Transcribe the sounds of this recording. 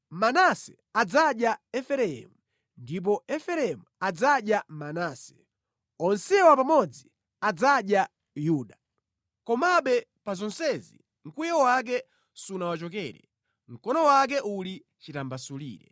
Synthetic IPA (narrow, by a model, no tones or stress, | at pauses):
manasɛ | ad͡zaɗjaɛfɛɾɛɛ̰mu | ndip̬ɔɛfɛɾɛmuad͡zaɗjamanaːsɛ̥ | ɔnsɛwapamɔd͡zi | ad͡zaɗja | juːɗa | kɔmaɓɛpazɔnsɛzḭ | ŋ̩kujɛwak̬ɛ | sunawat͡ʃɔkɛːɾɛ̰ | ŋ̩kɔnɔwak̬ɛʔuli | t͡ʃitambasulḭːɾɛ̰